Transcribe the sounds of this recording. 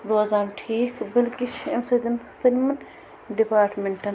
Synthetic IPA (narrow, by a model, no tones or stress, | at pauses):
ɾoːzaːmʈʰiːkbilkit͡ʃʰemsɐd̪ɐnsɐlmɐn | ɖipaːɾʈmeɳʈɐn